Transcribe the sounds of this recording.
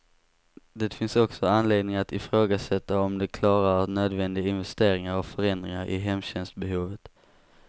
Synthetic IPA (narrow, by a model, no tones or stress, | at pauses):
d̪ɛːt̪fɪnsɔksɔanleːd̪nɪŋat̪ɪfɾoːɡasɛt̪ːaɔmd̪ɛkʰlɑːɾaɾnøːd̪vɛnd̪ɪɡaɪnvɛst̪eːɾɪŋaɾɔkfœɾɛnd̪ɾɪŋaɾʔɪ̰ɦɛmːɕɛnst̪bɛɦuːvət̪